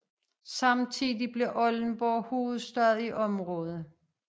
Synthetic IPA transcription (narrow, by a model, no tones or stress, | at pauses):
sɑ̈mt͡sʰiðˠib̥le̝ʔɒ̽ln̩b̥ɒːho̝ːð̞̩ˠsd̥ɶɐðˠiʔɒ̽mʁɔ̽ːð̞̩ˠ